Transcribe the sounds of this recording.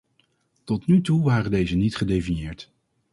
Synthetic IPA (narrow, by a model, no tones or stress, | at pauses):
tɔtnytuʋaːrəndejzənitχədejfinjɪːɹt